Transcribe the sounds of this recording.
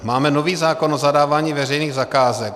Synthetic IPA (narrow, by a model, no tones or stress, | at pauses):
maːmɛnoviːzaːkonʔozadaːvaːɲiːvɛrɛjniːɣzakaːzɛk̚